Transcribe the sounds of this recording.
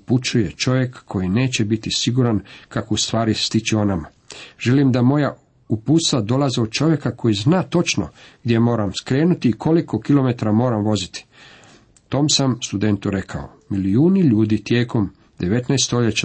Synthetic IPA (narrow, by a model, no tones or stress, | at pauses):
uput͡ʃuje̞t͡ʃo̞ʋje̞kːʰo̞jine̞ːt͡ɕe̞bit̪isiɡuɾankakoust̪ʋaːɾist̪it͡ɕio̞nama | ʒ̥e̞limd̪amo̞ja | upuːt̪st̪ad̪o̞lazeod̪̚t͡ʃo̞ʋje̞kako̞jiznaːt̪o̞t͡ʃno̞̰ɡd̪jemo̞ːɾamskɾe̞ːnut̪iːkʰo̞liko̞kilˠo̞me̞t̪aɾamo̞ːɾamʋo̞zit̪i̥ | t̪o̞ːmsamst̪ud̪e̞nt̪uɾe̞kʰa̰o | miliuːniʎuːd̪it̪je̞ːko̞m | d̪e̞ʋe̞t̪naest̪oʎet͡ɕa